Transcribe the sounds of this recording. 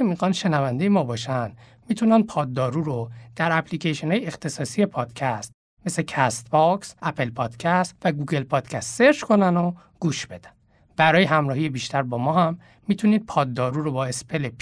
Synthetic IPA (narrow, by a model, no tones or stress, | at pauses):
emixɒːnʃe̞nævænd̪ejemɒːbɒːʃænd̪ | miːt̪ʰunænd̪̚pʰɒːd̪ːɒːɾuːɾod̪̥æɾæplicʰeʃonɒːjeext̪ʰe̞sɒːsije̞pʰɒːd̪̥cʰæst̪̚ | me̞secʰæst̪bɒksʔæpʰe̞lpʰɒːd̪̥cʰæst̪væɡuɡe̞lpʰɒːd̪̥cʰæst̪se̞ɾd͡ʒko̞næno | ɡ̥uːʃb̥e̞d̪æ̥n | b̥æɾɒːjeɦæmɾɒːhijebiːʃt̪ʰæɾbɒːmɒːhæmː | it̪ʰuniːd̪̥̚pʰɒːd̪ːɒːɾuːɾobɒːe̞spʰe̞lepʰ